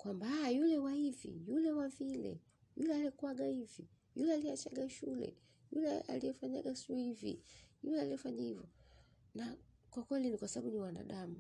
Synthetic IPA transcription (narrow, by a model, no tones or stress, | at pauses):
kwambajulɛwaivḭjulɛwavilɛ̰ | julɛalɛkuaɡaivi | julɛaliat͡ʃaɡaʃulɛ̰ | julɛa̰lijɛfaɲa̰ɡasuivḭjulɛaliɛfaɲahivjɔ | nakwakwɛlinikwasaɓaɓuniwana̰ɗamu